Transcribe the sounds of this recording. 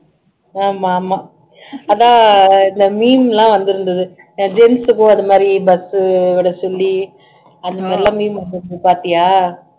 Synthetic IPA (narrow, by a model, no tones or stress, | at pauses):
aːmamaː | ɐðãːɪnd̪ɐmiːmlãːʋɐnd̪ɯɾɯnd̪ɐðɯ | ãd͡ʒɛnsɯkʊ̃ɐnɐmaːd̪ɾibɐsɯʋɪɽɐsɔɭːi | ɐnd̪ɐmaːdɾilãːmiːmʋɐnd̪ɯɾɯnd̪ɯpaːɾt̪ɪjaː